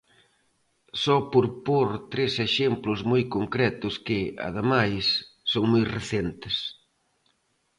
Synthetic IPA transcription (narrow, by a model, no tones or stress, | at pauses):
sɔpoɾpoɾt̪ɾeseʃemplʊzmojkoŋkɾɛt̪ʊskɪa̰ðemajsːoŋmojreθent̪ɪs